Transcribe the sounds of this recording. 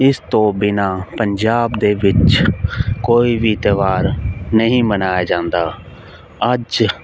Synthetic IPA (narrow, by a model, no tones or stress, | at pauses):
ɪst̪õːbɪnaːpəɲd͡ʒaːbd̪eːʋɪt͡ʃ | koːiʋiːt̪əʋaːɾnəɦĩːmənaːjaːd͡ʒãːnd̪aː | əd͡ʒ